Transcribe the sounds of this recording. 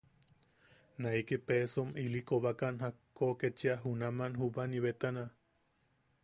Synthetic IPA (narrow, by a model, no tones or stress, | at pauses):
naikepesomilikoβakanɦakːoket͡ʃiaɦunamanɦubaniβet̪ana